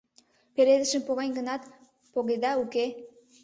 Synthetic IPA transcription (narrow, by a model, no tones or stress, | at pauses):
peɾed̪ə̆ʃəmpoɣɑnʲɡənɑt̪ | poɣed̪ɑuke